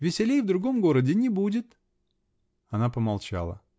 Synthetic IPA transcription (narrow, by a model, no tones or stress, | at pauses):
vʲɪsʲɪlʲejvd̪ɾʊɡo̞mɡo̞ɾədʲɪnʲɪbudʲɪt̪ | ɐnapəmalˠt͡ɕa̰lˠə̰